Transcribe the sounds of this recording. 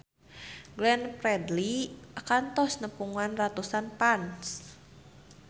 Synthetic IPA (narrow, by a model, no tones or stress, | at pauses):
ɡlɛnpɾɛdliʔakant̪ɔsnəpuŋanrat̪usanpans